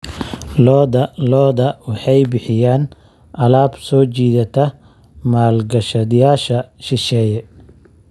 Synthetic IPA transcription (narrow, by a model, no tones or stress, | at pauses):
lɔːd̪ɐlɔːðɐwɑħɑjbɪħɪjaːn | ʔɐlaːbsɔːt͡ʃiːðɐt̪ʰɐ | maːlɡɐʃɐðɪjaːʃɐʃɪʃɛːjɛ